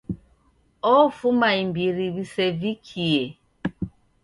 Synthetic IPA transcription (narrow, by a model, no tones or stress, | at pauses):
ɔfumaimbiɾiβisɛvikʰiɛ